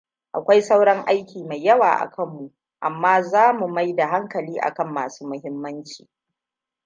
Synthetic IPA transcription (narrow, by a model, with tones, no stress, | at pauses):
ʔa̰˨kʷa˦jsa˦wɽɐ˦ŋʔa˦jkʲiː˨ma˨jːɐ˦wa̰ː˨ʔa̰˨kʰɐ˦mːu˨ | ʔa˨mːaː˦zaː˦mu˨ma˦jda˨ɦa˦ŋkɐ˨liː˦ʔa̰˨kɐ˦mːa̰ː˨su̥ː˦mʊ˦ɦɪ˦mːɐ˦nt͡ʃiː˨